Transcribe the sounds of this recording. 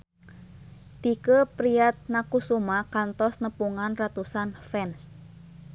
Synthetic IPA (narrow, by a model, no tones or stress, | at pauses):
t̪ikəpɾiat̪̚nakusumakant̪ɔsnəpuŋanrat̪usanfɛns